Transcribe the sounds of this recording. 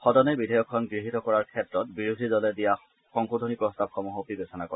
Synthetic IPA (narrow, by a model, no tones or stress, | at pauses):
xɔdɔnɛbidʱajɔkʰːɔnɡɹiɦitɔkɔɹaɹkʰɛtɹɔt̚biɹudʱizɔlɛdija | xɔŋkudʱonipɹɔstab̚xɔmɔɦopibesʰɔnakɔɹɛ